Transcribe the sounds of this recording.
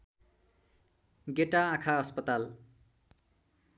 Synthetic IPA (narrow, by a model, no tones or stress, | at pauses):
ɡeʈaãkʰaʌspʌt̪al